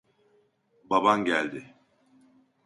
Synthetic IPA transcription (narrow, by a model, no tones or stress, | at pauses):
babanɟælʲd̪ɪ